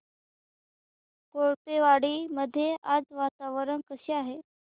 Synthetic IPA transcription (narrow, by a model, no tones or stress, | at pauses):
koɭpeʋaɽiːməd̪ʱːjead͡zʋat̪aʋəɾəɳkəseaɦe